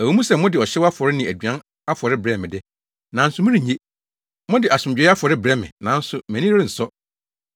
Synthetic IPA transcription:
æ˨wu˨˦mũ˦sɛ˨mʊ̃˦dɪ˨ɔ˨ɕɛ˦wa˦fɔ˨ɾɪ˦nɪ̃˨æ˨d͡ʑɥã˦ | a˦fɔ˨ɾɪ˦bɾɛ˦˨mɪ̃˨dɪ˦ | nã˨n̩˦sʊ˨mʊ̃˦ɾĩ˨ɲe˦ | mɔ̃˦dɪ˨ʔa˨sʊ̃˨md͡ʑᶣɛ˦a˦fɔ˨ɾɪ˦bɾɛ˦˨mɪ̰̃˨nã˨n̩˦sʊ˨mæ̃˨nĩ˦ɪ˦n̩˨sɔ˦

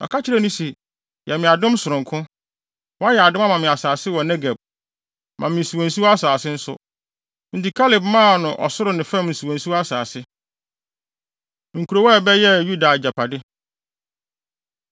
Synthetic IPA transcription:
ɔ̰˨kʰa˦t͡ɕʰɪ˦ɾɛ˦nʊ̃˦si˨ | jɛ˨mɪ̃˨a˨dʊ̃˦msʊ˨ɾʊ̃˨ŋkʰʊ̃˦ | wɔ˦a˦jɛ˨a˨dʊ̃˦ma˦mã˨mɪ̃˨a˨saː˨sɪ˦wɔ˨nɛ˦ɡɛ˨b̚ | mʔã˨mɪ̃˨n̩˨su˨wõ˨n̩˨su˦wa˦saː˨sɪ˦n̩˦sʊ̰˨ | n̩˨di˨kʰa˦lɪ˨bmã˦˨nʊ̃˨ʔɔ̰˨sʊ˦ɾʊ˨nɪ̃˨fɛ̃˦˨mn̩˨su˨wõ˨n˨su˦a˦saː˨sɪ˦˨ | ŋ̩˨kʰu˨ɾo˨˦wɛ˦˨bɛ˦jɛ˦˨ju˦da˨d͡ʑa˨pʰa˨dɪ˦

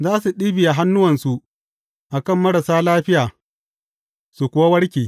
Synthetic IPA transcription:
zaː˦su˨ɗiː˦bɪ˨ja˨ɦa˦nːʊ˦wɐ˨nsu˨ʔ | ʔa˨kɐ˦˨mːɐ˦ɽɐ˨saː˦laː˦ɸɪ˦jaː˨ | su˨kʷʊ˨wa˦wɐ˦ɽkʲiː˨

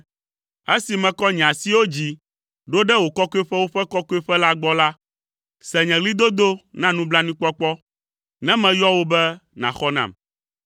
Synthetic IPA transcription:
e˦si˨mɛ̃˨kɔ˦ɲɛ̃˨ã˨si˦wo˦d͡ʑi˨ | ɖo˦ɖɛ˦wo˨kɔ˦kɔ˦ɛ˦ɸɛ˦wo˦ɸɛ˦kɔ˦kɔ˦ɛ˦ɸɛ˦la˦ɡ͡bɔ˦la˦ | sɛ˨ɲɛ̃˨li˦d̪o˦d̪o˦nã˦nũ˦bla˦nĩ˦k͡pɔ˦k͡pɔ˦ | nɛ̃˦mɛ̃˨jɔ˦wo˦bɛ˦nã̰˨xɔ˦nã̰˨m

